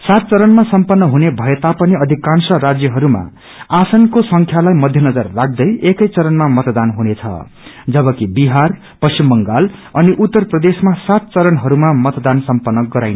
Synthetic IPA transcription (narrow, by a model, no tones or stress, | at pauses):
sat̪̚t͡sʌɾʌnmasʌmpʌnːʌɦunebʱʌjet̪apʌniʌd̪ʱikansʌrad͡zjʌɦʌɾuma̰ | asʌnkosʌŋkʰjalajmʌd̪ʱjʌnʌd͡zʌrːaɡ̚d̪ʌjekʌjt͡sʌɾʌnmamʌt̪d̪anɦunet͡sʰʌ̰ | d͡zʌbʌkibiɦar | pʌst͡ɕimbʌŋɡalʌniʔut̪ːʌrprʌd̪esmasat̪̚t͡sʌɾʌnɦʌɾumamʌt̪d̪ansʌmpʌnːʌɡʌɾajn